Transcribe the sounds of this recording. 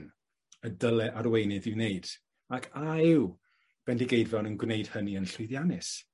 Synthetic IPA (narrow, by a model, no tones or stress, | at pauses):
n | ədəlˠɛʔaɾwejnɨðɪwneɨd̥ | akʰaɪw | b̥ɛndiɡejdvɛɔnənɡwneɨd̥həniənɬʊðjanɨs